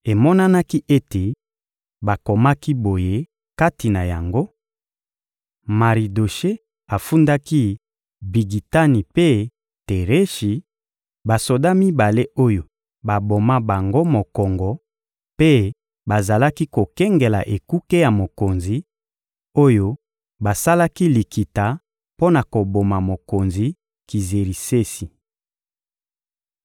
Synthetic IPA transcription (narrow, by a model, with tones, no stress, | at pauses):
e˨mɔ˦na˦na˦ki˦ʔe˦te˨ | ba˨ko˨ma˦ki˦bo˨je˦ | ka˦ti˨na˨ja̰˨ŋɡo˦ | ma˨ʁi˨do˨ʃe˦ | a˨fu˦nda˦ki˦ | bi˨ɡi˨ta˦ni˨pe˦ | te˨ʁe˦ʃi˨ | ba˨so˨da˦mi˦ba˨le˦o˦jo˨ | ba˨bo˨ma˦ba˨ŋɡo˦mo˨kɔ˨ŋɡɔ˨ | pe˦ | ba˨za˨la˦ki˦ko˨kɛ˦ŋɡe˨la̰˨ʔe˨ku˦ke˦ja˨mo˨ko˨nzi˨ | o˦jo˦ | ba˨sa˦la˦ki˦li˨ki˨ta˨ | po˦na˨ko˨bo˨ma˨mo˨ko˨nzi˨ | ki˨ze˨ʁi˨se˦si˨